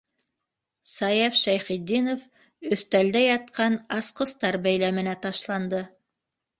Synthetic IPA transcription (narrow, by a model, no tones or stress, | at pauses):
sɑjefʃæjχid̪ːinof | ɵ̆θt̪æld̪æjɑt̪̚qɑnɑsqɤ̆st̪ɑɾbæjlæmɘ̆næt̪ɑʃlˠɑnd̪ɤ